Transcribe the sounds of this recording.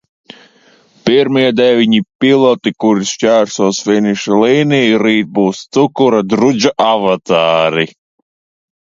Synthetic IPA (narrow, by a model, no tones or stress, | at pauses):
piɾmiɛd̪ɛvʲiɲipilˠɔt̪ikuɾiscʲæːɾsuɔsfinʲiʃaliːnijiɾiːt̪̚buːst̪sukuɾad̪ɾud͡ʒaʔavat̪aːɾi